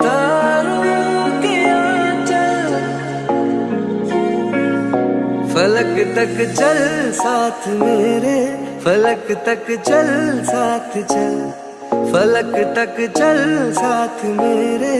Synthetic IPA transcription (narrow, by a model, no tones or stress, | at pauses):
t̪aːɾuk̪iant͡ʃɐl | fɐləkt̪ɐkt͡ʃɐlsaːt̪ʰmeːɾefʰɐləkt̪ɐkt͡ʃɐlsaːt̪ʰt͡ʃɐl | fʰɐləkt̪ɐkt͡ʃɐlsaːt̪ʰmeːɾe